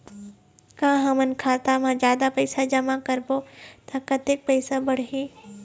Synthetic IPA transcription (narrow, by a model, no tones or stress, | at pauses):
kãːɦɐmənkʰaːt̪amãd͡ʒjaːd̪apɐɪsad͡ʒɐmakɐɾbot̪ʰakɐt̪ek̚pɐɪsabɐɽ̤ɦiː